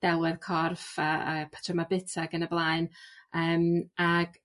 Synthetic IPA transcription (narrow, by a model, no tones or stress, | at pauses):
d̥ɛwɛðkʰɔrfaəpʰḁtʰəmabɪtʰaɡənəblˠaːɨnəːmaɡ̥